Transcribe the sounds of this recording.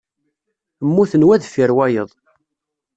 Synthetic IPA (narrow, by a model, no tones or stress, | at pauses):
əmːuθənwæðfiɾwæjəðˤ